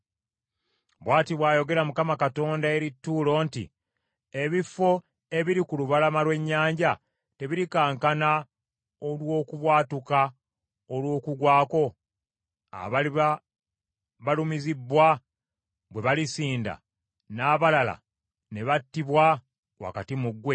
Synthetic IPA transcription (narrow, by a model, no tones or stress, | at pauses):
βwaːtiβwaːjo̞ɡe̞ɾamukamakato̞ːndae̞ɾitːuːlo̞ːntḭ | e̞βifːo̞ | e̞βiɾikuluβalamalwe̞ɲːaːɲɟa | te̞βiɾikaːŋkana | olwo̞ːkuβwaːtuka | olwo̞ːkuɡwaːko̞ | a̰βaia | βalumizibːwa | βwe̞βalisiːnda̰ | naːβalala̰ | ne̞βatːiβwa | wa̰katimuɡwe̞